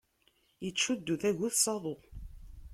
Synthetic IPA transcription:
jət͡ʃːud̪ːuθæʝuθsˤɑðˤo

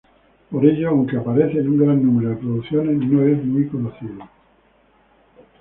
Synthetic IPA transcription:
poɾeʎoawŋkeapaɾeθenuŋɡɾanːũmeɾoðepɾoðuθjo̞nesnoezmwikonoθiðo

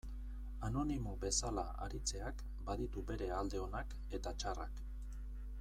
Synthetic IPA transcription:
ano̞nimobe̞sala | a̰ɾit͡se̞ak | baðit̪ube̞ɾe̞ald̪e̞o̞nak | e̞t̪at͡ʃara̰k

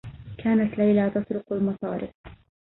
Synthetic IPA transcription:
kʰaːnat̪lajlaːt̪ɑsˤɾʊqalmɑsˤɑːɾɪf

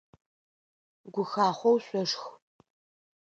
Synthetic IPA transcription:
ɡʷʊxaːχʷɔwɕʷʼɔʂx

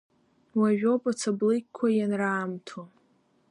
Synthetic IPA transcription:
waʒᶣopʼat͡sʰablɨjkʲkʷʰːajanraːmtʰo

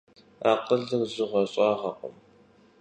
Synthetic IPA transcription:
aːqəɮɨrzʊʁɐɕʼɑːʁɐqʼə̰m

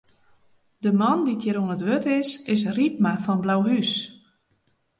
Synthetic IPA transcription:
dəmɔnditjəɾuənətʋøtɪsɪs̬rip̚mafɔnblawɦys

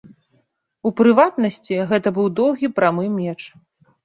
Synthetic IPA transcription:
upɾɨvat̪nɐsʲt͡sʲiɣɛt̪ɐbɨwd̪ɔwɣʲipɾamɨmʲɛt͡ʂ

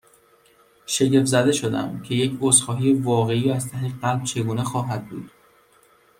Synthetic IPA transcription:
ʃe̞ɟe̞fzæd̪e̞ʃo̞d̪æ̰mcʰe̞je̞cʰosxɒːɦijevɒːɣe̞iːɾæzt̪ʰæheɢælb̥̚t͡ʃʰe̞ɡuːnexɒːɦæd̪̚bṵːd̪̥

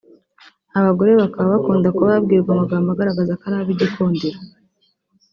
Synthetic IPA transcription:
aβaɡo̞ɾe̞βakaβaβakuːndakoβabɡiːɾɡamaɡaːmbaɡaɾaɡazakaɾaːβiɟikuːndiɾa

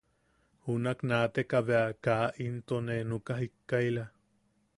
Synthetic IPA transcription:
hunaknaːt̪ekaβeakaʔint̪onenukaɦikːaila

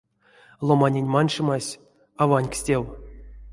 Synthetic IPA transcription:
lˠomanʲenʲmɑnʂɨmɑsʲ | avanʲksʲtʲew

